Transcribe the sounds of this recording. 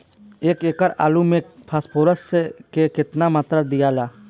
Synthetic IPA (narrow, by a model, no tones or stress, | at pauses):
eːkeːkəɾa̰ːlumẽpʰaːspʰoːɾəsːekekɪt̪namaːt̪ɾəd̪ijaːlaː